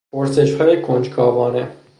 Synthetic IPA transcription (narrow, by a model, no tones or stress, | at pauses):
pʰoɾse̞ʃhɒːjekʰond͡ʒɡʰɒːvɒːne